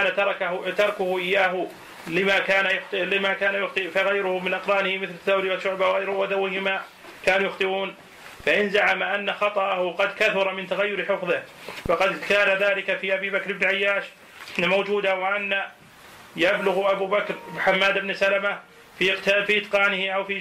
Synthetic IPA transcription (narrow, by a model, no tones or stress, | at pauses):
aːnat̪ɑɾˤɑkat̪ɑɾˤkʊhʊʔɪjːaːɦʊ | lɪmakaːnajʊxt̪lɪmakaːnajʊxt̪ˤɨʔfaɣajɾʊhʊmɪnʔaqɾˤɑːnɪhɪmɪθlɪθːawɾɪwaʃʊʕbawɣajɾwad̪awɪhɪma | kaːnuːjʊxt̪ˤɨʔuːn | faʔɪnzaʕamaʔanːaxɑt̪ˤɑʔahʊqɑd̪kaθʊɾˤɑmɪnt̪aɣajːʊɾħɪfðˤɪhfɑqɑd̪kaːnaðaːlɪkafiʔabiːbakɾɪbnʕajːaːʃ | mowd͡ʒuːd̪awaʔanːa | jablʊɣʔabuːbakɾħamːaːd̪ɪbnsalama | fifiʔɪt̪qɑːnɪhɪʔawfi